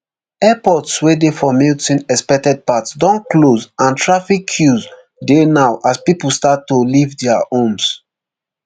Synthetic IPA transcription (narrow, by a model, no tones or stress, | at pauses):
ɛpɔtswedefɔmiltĩnɛspɛk̚tɛd̚patsdɔ̃nklozãntʰɹafikʰːjuz | denaʊʔaspipəlˠstatːolivdɛaõms